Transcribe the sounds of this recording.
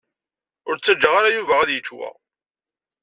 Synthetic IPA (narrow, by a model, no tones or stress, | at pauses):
ʊɾt͡sːæd͡ʒːəʁaɾajuvææðjət͡ʃːwæ̰